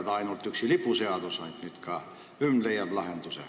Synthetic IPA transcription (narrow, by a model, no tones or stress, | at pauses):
t̪ɑinolt̪ːyksilipuseɑt̪osɑit̪nyt̪kɑː | ymlejɑplɑhent̪usḛ